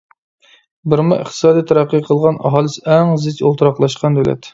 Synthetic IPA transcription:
bɪɾmɨʔə̰χt̪ʰɨ̥sɑːd̪ijt̪ʰɛɾæqːəqʰəlˠʁɑnʔɑ̰ɦɑːlˠɨsɛŋzɪt͡ʃo̰lˠt̪ʰɾɑqlˠɑʃqɑnd̪ølɛ̰t̪

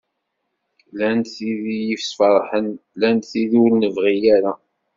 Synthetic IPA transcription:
lænθiðijifsfɑɾˤħənlænt̪θiðuwlnəvʁijæɾa

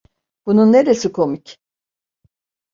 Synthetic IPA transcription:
b̥ununːe̞ɾesikʰo̞mic

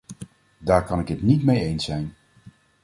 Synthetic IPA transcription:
daːɹkɑnɪkɦətnitmejejnsɛjn

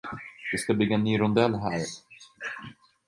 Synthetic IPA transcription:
d̪ɪskabʏɡːaɛnːyːɾʊnd̪ɛlːɦæːɾ

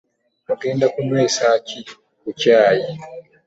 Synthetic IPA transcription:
mukɛndakumɛsat͡ʃi | kut͡ʃjaːji

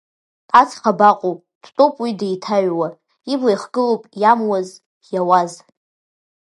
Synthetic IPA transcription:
at͡sʰʼχabaqʷʼowpʼd̥tʼopʼwidajtʰaɥwa | iblajχɡɨlowpʼjamwaz | jawaz

